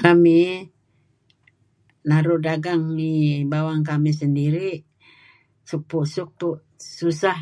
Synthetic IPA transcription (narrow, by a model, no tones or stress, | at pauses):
kami | naɾudaɡaŋibawaŋk̬amis̬əndiɾiʔ | suk̚puʔsuk̚puʔ | susah